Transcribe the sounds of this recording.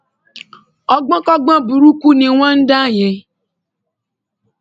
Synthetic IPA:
ɔ˦ɡ͡bã˦kɔ˦ɡ͡bã˦bu˨ɾu˦ku˦nĩ˨w̃ã˦n̩˦da˦˨jɛ̃˨

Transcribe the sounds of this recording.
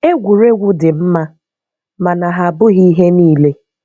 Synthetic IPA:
e˦ɡʷu˨ɾe˦ɡʷʊ˦dɪ˨m̩˦ma˦ | ma˨na˨ɦa˨bʊ˦ɣi˦ɦe˦niː˦le˦

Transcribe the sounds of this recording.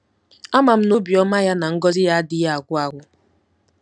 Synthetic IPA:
a˦ma˨m̩˦no˦bi˨ɔ˦ma˦ja˦na˨ŋ̩˦ɡɔ˦zɪ˦ja˦dɪ˦ja˦a˨ɡʷʊ˦a˨ɡʷʊ˦

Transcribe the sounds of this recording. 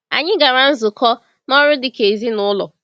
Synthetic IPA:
a̰˨ɲɪ˦ɡa˨ɾa˨n̩˦zʊ˨kʰɔ˦ | nɔ˦ɾʊ˦dɪ˨ke˨zi˦nʊ˦lʊ̰˨

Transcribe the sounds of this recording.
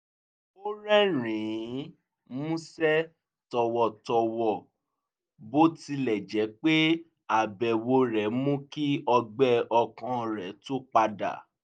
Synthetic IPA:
o˦ɾɛ˦ɾ̃ĩ˨˦ | mũ˦sɛ˦ | tɔ˧wɔ˧tɔ˧wɔ˨ | bo˦ti˧lɛ˨d͡ʒɛ˨˦k͡pe˦ | a˨bɛ˨wo˧ɾɛ˨˦mũ˦ki˦ɔ˧ɡ͡bɛ˦ɔ˧kã˧˨ɾɛ˨˦to˦k͡pa˧da̰˨

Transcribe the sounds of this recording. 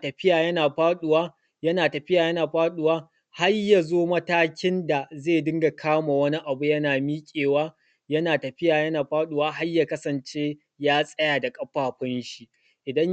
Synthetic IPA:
tɐ˨ɸɪ˦jaː˨jɐ˦naː˨ɸaː˦ɗʊ˦waː˦ | jɐ˦naː˨tɐ˨ɸɪ˦jaː˨jɐ˦naː˨ɸaː˦ɗʊ˦waː˦ | ha˦rja˨zoː˦mɐ˦taː˦kʲɪ˦nda˨zeː˦˨dɪ˦ŋɡa˨kʰaː˦ma˨wɐ˦ni˦ʔa˨bu˦jɐ˦naː˨miː˦kʲʼeː˨waː˦ | jɐ˦naː˨tɐ˨ɸɪ˦jaː˨jɐ˦naː˨ɸaː˦ɗʊ˦waː˦ɦa˦jːaː˨kɐ˦sɐ˨nt͡ʃeː˦ | jaː˦sʼɐ˦jaː˨da˨kʼɐ˦ɸaː˨ɸɐ˦nʃi˦ | ʔɪ˨dɐ˦

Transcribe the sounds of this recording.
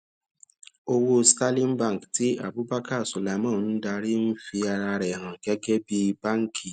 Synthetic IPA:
o˧wo˦sta˦lĩ˦n˦bã˦˨kti˦a̰˦˨bu˨˦ba˦ka˦˨su˨la˨˦mã˦˨˦n̩˦da˧ɾi˦n̩˦fi˧a˧ɾa˧ɾɛ˨ɦã˨ɡɛ˦ɡɛ˦bi˦ba˦ŋ˦kʰi˨

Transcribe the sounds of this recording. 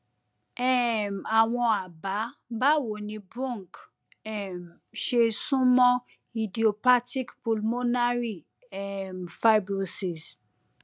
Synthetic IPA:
ɛ˦˨m˨a˨w̃ɔ̃˧a˨ba˨˦ba˦˨wo˨nĩ˧bũ˦˨ŋ˨k | ɛ˦˨m | ʃe˧sũ˦mɔ̃˦ | i˨di˨o˨pa˦ti˦kpu˧lmo˦na˦ɾi˦ | ɛ˦˨m˨fa˦i˦bɾo˧˨si˨s

